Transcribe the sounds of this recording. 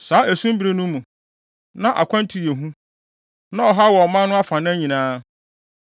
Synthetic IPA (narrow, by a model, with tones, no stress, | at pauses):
saː˨˦ʔæ˨sũ˦m˦bi˨ɾe˦nʊ̃˦mũ˨ | nã˦ʔa̰˨kʷʰã˦n˦tʰi˨je˨ɦũ˦ | nã˦ɔ˨ɦa˦wɔ˨mã˦nʊ̃˦a˦fã˨ñ˦æ˦ɲĩ˨nãː˦